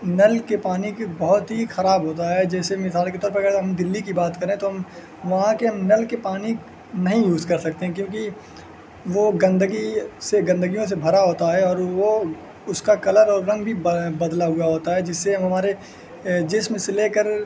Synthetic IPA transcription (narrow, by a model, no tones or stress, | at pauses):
nɐlkepaːnikbɐɦʊt̪ɦixɐɾaːbɦoːt̪aɦɛd͡ʒɛːsemɪsaːlket̪ɔːɾpɐɾɡɛːɾɦɐmd̪ɪlːikibaːt̪kɐɾẽɦɛ̃t̪oɦɐm | ʋɐɦãkeɦɐmnɐlkepaːni | nɐɦĩjuːzkɐɾsɐk̚t̪eɦɛ̃kjõːki | ʋoɡɐ̃nd̪əɡiseɡɐ̃nd̪əɡijõsebʱɐɾaɦoːt̪aɦɛɔːɾʋo | ʊskakɐləɾɔːɾːɐ̃ŋɡbʱibɐd̪laɦʊaɦoːt̪aɦɛd͡ʒɪsːeɦɐmɦɐmaːɾe | d͡ʒɪsmɪ̃seleːkəɾ